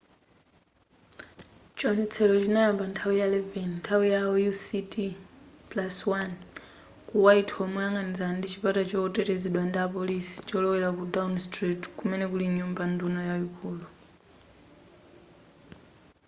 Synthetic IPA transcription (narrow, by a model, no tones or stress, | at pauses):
t͡ʃɔnɛt͡sʰɛlɔt͡ʃinajambantʰawijalɛvɛnintʰawijajusitiplaswan | kuwaitʰɔmɛjaŋɡanizandit͡ʃipatat͡ʃɔːtɛtɛzɛɗwandapɔlisi̥t͡ʃɔlɔwɛlakudanstritkumɛnɛkuliɲumbandunɔjaukuːlu